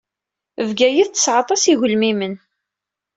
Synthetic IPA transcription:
əvɡæjiðt͡sːə̥sʕɑt̪ˤɑsiʝʊlmimən

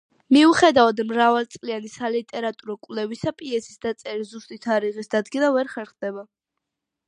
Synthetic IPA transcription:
miuχɛd̪avad̪mɾavalt̪sʼlianisalit̪ʼɛɾat̪ʼuɾɔkʼwlɛvisapʼiɛsi̥sd̪at̪sʼɛɾizust̪ʼit̪ʰaɾiʁisd̪ad̪ɡinavɛɾχɛɾχd̪ɛba

